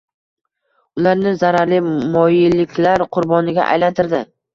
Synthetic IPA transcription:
ʊlaɾnɪzaɾaɾlɪmɒjɪlɪkʲlaɾqʰʊɾbɒnɪɡʲa̰ʔa̰jlant̪ʰɪɾd̪ɪ

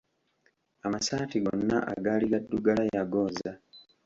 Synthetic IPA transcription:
amasaːtiɡonːa̰ʔa̰ɡaːliɡadːuɡalajaɡoːza

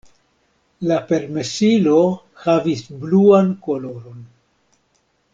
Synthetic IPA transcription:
lape̞ɾmesilo̞ | havisbluanko̞lo̞ɾo̞n

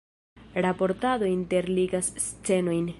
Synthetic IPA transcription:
ɾapo̞ɾtad̪o̞inte̞ɾliɡast͡se̞no̞jn

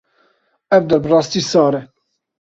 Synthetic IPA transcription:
ɛvd̪ɛɾbɨrɑːst̪iːsɑːɾɛ

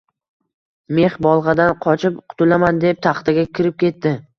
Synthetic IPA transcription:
me̞χbɒlˠʁɑd̪anqʰɒt͡ʃʰɪp̚qʰʊ̥t̪ʰʊlamand̪e̞p̚t̪ʰaχt̪aɡʲakʲʰɪɾɪp̚kʲʰe̞t̪ːɪ

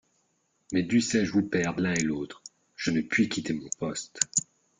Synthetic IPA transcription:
mɛd̪ysɛʒəvupɛʁd̪lɛ̃eloːt̪χ | ʒ̥ənəpɥikʲit̪emɔ̃pɔst̪

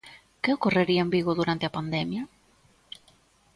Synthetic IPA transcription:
keokoreɾiɐembiɣʊðuɾant̪eɐpand̪ɛmjɐ

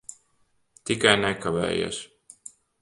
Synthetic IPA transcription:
t̪ikajnɛkavɛ̰ːja̰s

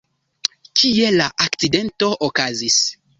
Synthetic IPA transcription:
kie̞laʔakt͡side̞nto̞ʔokazis

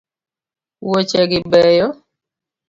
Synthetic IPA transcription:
wot͡ʃɛɡɪbɛjɔ

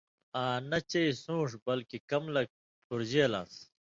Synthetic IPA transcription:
aːnɐt͡ɕɐisũːʂ̬bɐlkikɐmlɐk̚ | puɾd͡ʑeːlã̰ːs

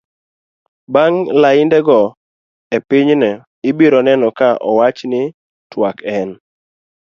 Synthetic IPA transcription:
baŋlaɪndɛɡɔ | epɪɲnɛ | ɪbiɾɔnɛnɔkaʔɔ̰wat͡ʃnɪ | twakɛn

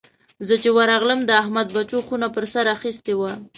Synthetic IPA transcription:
zət͡ʃewaɾaɣləmd̪əahmad̪̚bat͡ʃoxunapəɾsaɾaxist̪ewa

